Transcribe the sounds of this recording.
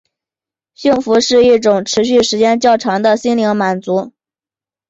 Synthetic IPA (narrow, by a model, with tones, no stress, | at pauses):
ɕi˥˩ŋfu˧˥ʂɻ̩˥˧i˥˩ʈ͡ʂʊ˨˩ŋʈ͡ʂʰɻ̩˧˥ɕ̬y˥˩ʂɻ̩˧˥t͡ɕjɛ˥nt͡ɕjɑ˥˩ʊʈ͡ʂʰɑ˧˥ŋd̪ə˧ɕi˥nli˧˥ŋma˨˩nt͡su˧˥